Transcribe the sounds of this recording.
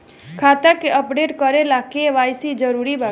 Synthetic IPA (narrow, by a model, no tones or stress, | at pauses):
kʰat̪akeəpɖeʈkəɾelakeʋajsid͡ʒəɾuɾibʱa